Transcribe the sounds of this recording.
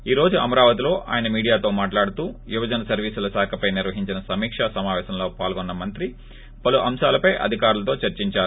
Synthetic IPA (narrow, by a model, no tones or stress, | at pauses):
iːɾo̞ːd͡ʒuʔɐmɐɾaːʋɐt̪ilo̞ːʔʔa̰ːjɐnɐmiːɽijaːt̪o̞ːmaːʈlaːɽut̪uːʋjubɐd͡ʒɐnɐsɐɾʋiːsulɐsaːkʰɐpɐjniɾʋɐɦiɲt͡ʃinɐsɐmiːkʂɐsɐmaːʋɛːsɐmlo̞ːpaːlɡonːɐmɐnt̪ɾi | pɐluʔɐmʃaːlɐpɐjʔɐ̰d̪ʱikaːɾulɐt̪o̞ːt͡ʃɐɾt͡ʃiɲt͡ʃaːɾu